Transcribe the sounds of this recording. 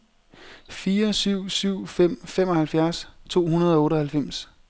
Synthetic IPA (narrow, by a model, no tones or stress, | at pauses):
fiːɐsyʊ̰syʊ̰fem̰femɒ̽hælfjæɐst͡sʰo̝̰ːhunɐð̞ˠɒɔ̽ːɾəɒ̽hælfem̰s